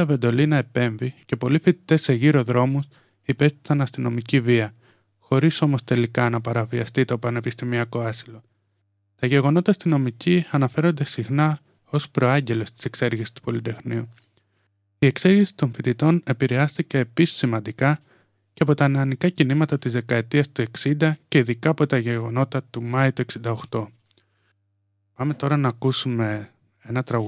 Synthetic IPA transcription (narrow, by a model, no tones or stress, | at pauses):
ɐve̞nd̪o̞linɐe̞pe̞ɱvice̞po̞lifit̪i̥t̪e̞se̞ʝiɾo̞ðɾo̞mus | ipe̞st̪i̥sɐnɐst̪ino̞miciviɐ | xo̞ɾiso̞mo̞st̪e̞likɐnɐpɐɾɐviɐst̪it̪o̞pɐne̞pist̪imiɐko̞ɐsilo̞ | t̪ɐʝe̞ɣo̞no̞t̪ɐːst̪ino̞miciɐnɐfe̞ɾo̞nd̪e̞sixnɐ | o̞spɾo̞ɐɲɟe̞lo̞st̪i̥se̞kse̞ɾʝisi̥st̪u̥po̞lit̪e̞xniu | ie̞kse̞ɾʝisi̥t̪o̞ɱfit̪it̪o̞ne̞piɾe̞ɐst̪ice̞ːpisi̥sːimɐnd̪ikɐ | ceɐpot̪ɐnɐnikɐcinimɐt̪ɐt̪izðe̞kɐe̞t̪iɐst̪ue̞ksind̪ɐce̞iðikɐːpo̞t̪ɐʝe̞ɣo̞no̞t̪ɐt̪umɐit̪ue̞ksind̪ɐoxt̪o̞ | pɐme̞t̪o̞ɾɐnɐːkusume̞ | enɐt̪ɾɐɣ